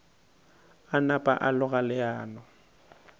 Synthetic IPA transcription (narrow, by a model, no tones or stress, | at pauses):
anapʼa̰ʔalʊɣalɪaːnɔ